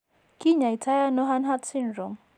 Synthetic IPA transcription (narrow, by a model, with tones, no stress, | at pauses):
kʼi˦ɲa˨i˨tʰa˦ja˦nɔ˦ɦa˦nɦa˦tsi˦nɾɔ˨m